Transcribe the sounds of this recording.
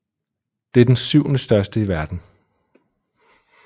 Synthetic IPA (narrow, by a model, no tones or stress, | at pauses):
d̥e̝æɐd̥ensyʊ̰nəsd̥ɶɐsd̥əiʋæɐd̥n̩